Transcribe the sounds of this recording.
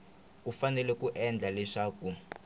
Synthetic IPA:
ufanɛlɛkʼuʔɛnd͡ɮʱalɛʂaːk̬ʼu

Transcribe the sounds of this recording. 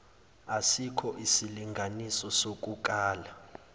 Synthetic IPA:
asikʰɔʔisiliŋɡʱanisɔsok̬ʼuk̬ʼaːla

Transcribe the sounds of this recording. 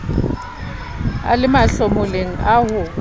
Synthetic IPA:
a̰lɪmaɬomʊleŋ̩ahʊ

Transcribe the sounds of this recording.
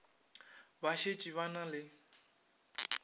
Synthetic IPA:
baʃet͡ʃʼiβanalɪ

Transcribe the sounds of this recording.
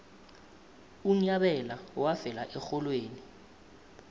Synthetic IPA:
uɲaɓɛlawavɛla̰ʔɛxɔlweːni

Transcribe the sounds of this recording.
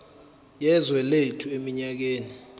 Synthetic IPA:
jɛzwɛletʰuemiɲak̬eːni

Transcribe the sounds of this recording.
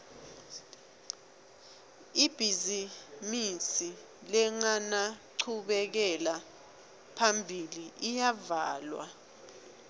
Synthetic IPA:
ib̥ʱizimisi | lɛŋanaǀʰuɓɛk̬ɛla | pʰambʱiliʔijavaːlwa̰

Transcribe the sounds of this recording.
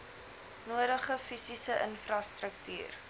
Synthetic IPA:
nuəɾəχəfisisəʔənfrɐstrək̚ty̰ːr

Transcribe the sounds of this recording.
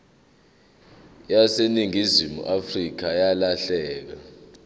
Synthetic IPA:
jaseniŋizimṵʔafrik̬ajalaɬɛːk̬a

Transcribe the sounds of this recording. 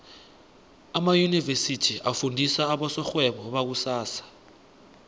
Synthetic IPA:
amajunivesitʰiʔafundʱisaːɓɔsɔxwɛɓɔɓak̬usaːsḁ

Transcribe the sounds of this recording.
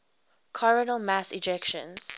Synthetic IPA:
kʰɔɹənəlmasɪd͡ʒɛkʃə̰̃nz̥

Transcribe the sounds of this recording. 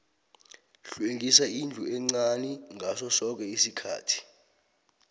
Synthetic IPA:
ɬueŋisaind͡ɮʱuɛŋ͡ǀaniŋʱasɔsɔk̬ɛisikʰa̰ːtʰi̥

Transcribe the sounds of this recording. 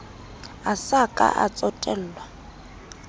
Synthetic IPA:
asakʼa̰ʔat͡sʼɔtʼɛl̩ːlwa

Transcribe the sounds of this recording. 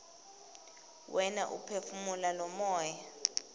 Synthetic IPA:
wʔɛnaʔṵpʰefumulalɔmɔːja

